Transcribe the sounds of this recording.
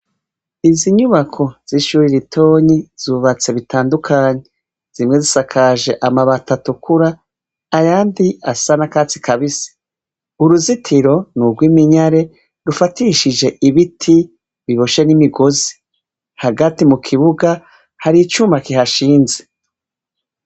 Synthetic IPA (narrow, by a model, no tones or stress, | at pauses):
iziɲuβakʰo̞z̥iʃuɾiɾitʰo̞ːɲiz̥uβat͡se̞βitaːndukʰaːɲe̞ | z̥imŋe̞zisakʰaʒe̞ʔamaβatatukʰuɾaː | jaːndiasanakaːt͡si̥kaβisi̥ | uɾuzitʰiɾo̞nuɡwiːmiɲaɾe̞ | ɾufatiʃid͡ʒe̞ʔiβitʰi | βiβoʃenimiɡozi̥ | haɡatimukʰiβuɡa | haɾit͡ʃumakiɦaʃiːnze̥